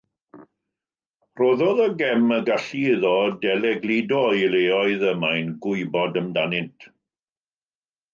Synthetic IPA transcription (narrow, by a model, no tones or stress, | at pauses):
roːðɔðəɡɛməɡaɬiðɔdɛlɛɡlidɔileːɔɨðəmajnɡʊɨbɔdəmdanɪntʰ